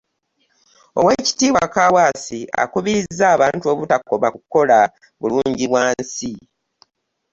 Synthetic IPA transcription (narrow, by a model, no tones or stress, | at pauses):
o̞̰we̞ːci̥tiːwakawaːsia̰kuβiɾizːaːβaːntuo̞βutakːo̞βakukːo̞la | βuluːɲɟiβwaːsi